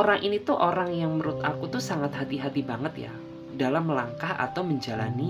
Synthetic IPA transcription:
oɾaŋʔinit̪uʔoɾaŋjaŋməɾʊt̪akut̪usaŋat̪hat̪iɦat̪ibaŋət̪ja̰ | dalamlaŋkaha̰t̪awməɲd͡ʒalani

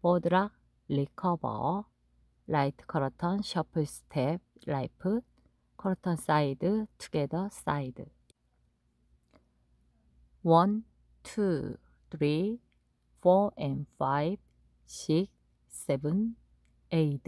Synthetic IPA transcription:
podɯɾak̚ | likʰʌbʌ̰ | lajtʰkʰʌɾʌtʰʌnɕʌpʰɯstʰep̚laipʰɯ | kʰʌɾʌtʰʌns͈aidɯtʰu̥ɡedʌs͈aidɯ | wʌn | tʰu | tʰɾi | fɔenfaib̥̚ | ɕik̚ | s͈ebɯn | eitʰ

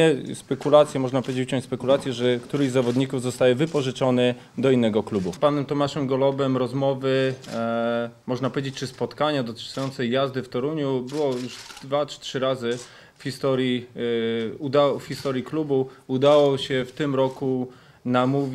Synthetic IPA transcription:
ɛspɛkulat̪sʲjɛmɔʐnapɔvʲed͡ʑet͡ɕut͡ɕɔ̃ɲt͡ɕʲspɛkulat̪sʲjɛʐɛkt̪uɾɛʑzavɔd̪ɲikuvzɔst̪ajɛvɘpɔʐɘt͡ʂɔnɘ | d̪ɔinːɛɡɔklubupanɛmt̪ɔmaʂɛmɡɔlɔbɛmɾɔzmɔvɘ | mɔʐnapɔvʲed͡ʑet͡ɕ̚ʲt͡ʂɘspɔt̪kaɲad̪ɔt̪sujɔnt̪sɛjjazd̪ɘft̪ɔɾuɲubɘwɔjuʂd̪vat͡ʂtʂɘɾazɘ | fxʲist̪ɔɾji | ud̪awɔfxʲist̪ɔɾjiklubuud̪awɔɕɛft̪ɘmɾɔku | namuvʲ

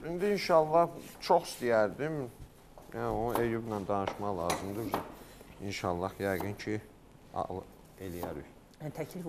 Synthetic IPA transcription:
ind̪iinʃɑlˠːɑht͡ʃʰoxi̥st̪ijæɾd̪im | jæonuʔejubnænd̪ɑnɯʃmɑʁlˠɑːzɯmd̪ɯ | inʃɑlˠːɑhjæjɡɯncʰi | ɑ̰ɣlˠɯ | e̞lijæɾy̰ | t̪ʰæcʰlif

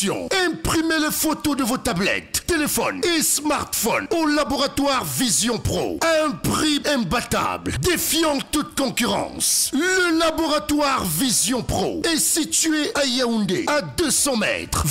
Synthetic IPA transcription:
jɔ̰̃ɛ̃pχimeləfot̪od̪əvot̪ablɛ̰t̪ːelefɔ̰nesmaʁt̪fɔnolabɔʁat̪waʁvizjɔ̃pχo̰ɛ̃ɛ̃pχiɛ̃bat̪a̰bld̪efjɑ̃t̪ut̪̚kɔ̃kyʁɑ̰̃sləlabɔʁat̪waʁvizjɔ̃pχo̰ɛsit̪ɥeʔajaũnd̪ḛad̪øsɑ̃mɛ̰t̪χ

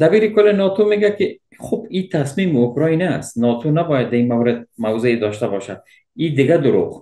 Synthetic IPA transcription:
d̪abiɾikolinɔt̪ʰomeɡaki | χubit̪ʰasmimiukɾɔinast̪nɔt̪ʰonabɔjad̪̚ːainmawɾed̪̚mawzeed̪ɔʃt̪abɔʃad̪̥̚ | id̪ɪɡad̪ʊɾṵʁ

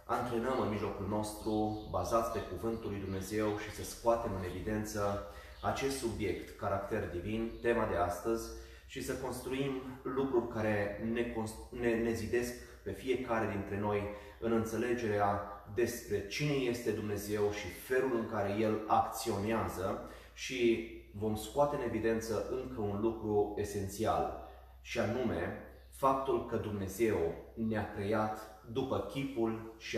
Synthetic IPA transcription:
ant̪ɾenəmɨnmiʒlo̞kulno̞st̪ɾubazat̪sʲpe̞kuvɨnt̪ulːujd̪umne̞ze̞wʃisəskoat̪e̞mɨne̞vid̪e̞nt̪sə | at͡ʃe̞st̪subje̞kt̪kaɾakt̪e̞rd̪ivint̪e̞mad̪e̞ast̪əzʲ | ʃisəko̞nst̪ɾuimlukɾurʲkaɾe̞nekonnene̞zid̪e̞sk | pe̞fije̞kaɾe̞d̪int̪ɾe̞no̞j | ɨnɨnt̪se̞le̞d͡ʒe̞ɾead̪e̞spɾe̞t͡ʃine̞je̞st̪e̞d̪umne̞ze̞wʃife̞lulɨŋkaɾe̞je̞lakt̪sio̞neazə | ʃivo̞mskoat̪e̞ɨne̞vid̪e̞nt̪səʔɨŋkəunlukɾue̞se̞nt̪sia̰l | ʃianume̞ | fap̚t̪ulkəd̪umne̞ze̞wneakɾe̞jat̪ | d̪upəkʲipulʃi

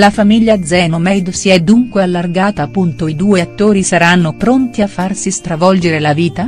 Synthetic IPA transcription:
lafamiʎːad̪zɛːnomɛjd̪siɛd̪ːuŋkwealːarɡaːt̪aːpːunt̪oid̪uːeat̪ːoːɾisaɾanːopɾont̪iafːarsist̪ɾavɔld͡ʒeɾelaviːt̪a

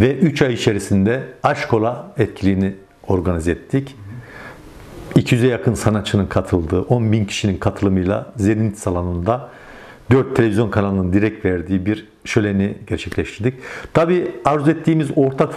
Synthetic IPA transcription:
vɛʔyt͡ʃajit͡ʃʰe̞ɾisind̪ɛaʃkʰo̞lˠaɛt̪cʰilʲijini | o̞ɾɡanizɛt̪ʰːic | icʰijyzɛjakʰɯnsanat̪t͡ʃʰːɯnɯnkʰat̪ʰɯlˠd̪ɯːʔo̞nbincʰi̥ʃininkʰat̪ʰɯlˠɯmɯjlˠa̰zenint̪ʰsalˠanˠɯnd̪a | d̪øɾt̪ʰːelʲeizjo̞nkʰanalˠɯnɯnd̪iɾɛc̚t̪vɛɾd̪iːbiɾ | ʃølʲeniɟɛɾt͡ʃʰɛclʲɛʃt̪ʰiɾd̪ic̚t̪ʰabiːaɾzɛt̪ʰːiːmizo̞ɾt̪ʰak

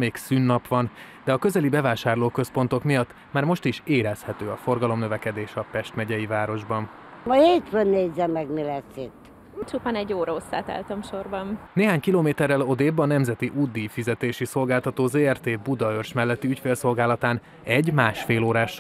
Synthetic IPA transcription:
meːksyːnːɒpʋɒn | d̪ɛɒkø̞zɛlibɛvaːʃaːrloːkø̞spo̞n̪t̪o̞kmijɒt̪ːmaːrmo̞ʃt̪iʃeːɾɛshɛt̪øːɒfo̞rɡɒlo̞mnøvɛkɛd̪eːʃɒpɛʃt̪mɛɟɛjivaːɾo̞ʒbɒn | mɒheːt̪fønneːzːɛmːɛɡmilɛsit̪ː | t͡ʃupaːnɛɟːoːɾɒosːa̰ːt̪a̰ːlt̪ɒmʃo̞rbɒnneːɦaːɲkiloːmeːt̪ɛrːɛlo̞d̪eːbːɒnɛmzɛt̪iʔud̪ːifizɛt̪eːʃiso̞lɡaːlt̪ɒt̪oːzeːɛrt̪eːbud̪ɒørʃmɛlːɛt̪ːiycfeːlso̞lɡaːlɒt̪aːn | ɛɟmaːʃfeːloːɾaːʃ

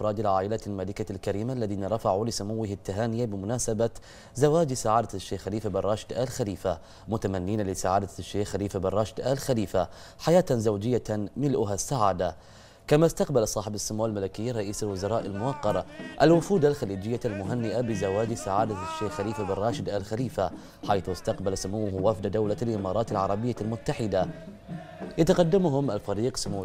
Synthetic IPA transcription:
ɾˤɑːd̪alʕaːʔɪlalmaːlɪkalkaɾiːmaʔlːaðiːnaɾˤɑfaʕulɪsʊmʊwːɪhɪt̪ːaɦaːnɪjabɪmʊnaːsaba | zawaːd͡ʒsaʕaːd̪aʃːeːxxaliːfabɪrˤːɑːʃɪd̪ʔaːlxaliːfa | mʊt̪amanːiːnalɪsaʕaːd̪aʃːeːxːaliːfabɪrˤːɑːʃɪd̪ʔaːlxaliːfa | ħajaːt̪zawd͡ʒɪjːamɪlʔʊɦasːaʕaːd̪a | kamast̪aqbalsˤɑːħɪbasːʊmuːalmalɪkɪjːaɾˤɑʔiːsalwʊzɑɾˤɑːʔalmʊwɑqːɑɾˤʔalwʊfuːd̪alxaliːd͡ʒɪjːalmʊɦanːɪʔabɪzawaːd͡ʒsaʕaːd̪aʃːeːxxaliːfabɪrˤːɑːʃɪd̪ʔaːlxaliːfa | ħajθʊst̪aqbalsʊmuːʊhwafd̪ad̪awlalʔɪmɑːɾˤɑːt̪alʕɑɾˤɑbɪjːalmʊt̪ːaħɪd̪a | jat̪aqɑd̪ːamɦʊmʔalfaɾiːqsʊmuː

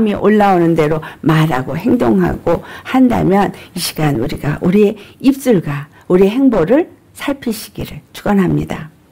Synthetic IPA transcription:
miʔoɭːaonɯnde̞ɾomaɾa̰ɡohe̞ŋdoŋɦa̰ɡ̥ohanda̰mjʌniɕʰi̥ɡ̥anuɾiɡaʔuɾie̞ip̚s͈ɯɭɡwa | uɾieɦe̞ŋboɾɯɭ | sʰaɭpʰiɕʰi̥ɡ̥iɾɯɭt͡ɕʰuɡʌnɦamɲḭda̰

